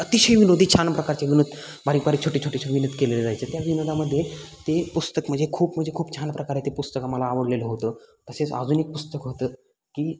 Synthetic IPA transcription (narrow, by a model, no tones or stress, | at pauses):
ət̪iɕəjʋinod̪ʱiːt͡ɕʰanpɾəkaɾt͡ɕeʋinod̪ | baɾiːkbaɾiːt͡ɕʰoʈit͡ɕʰoʈiɕəʋinəd̪keleleɾajt͡səːt̪jaʋinod̪aməd̪ʱːjet̪epust̪əkm̤əɳd͡zekʰuːpm̤əɳd͡zekʰuːpt͡ɕʰanpɾəkaɾet̪epust̪əkaməlaːʋəɽleləɦot̪əːt̪əset͡sa̰d͡zuːnek̚pust̪əkɦot̪əː | kiː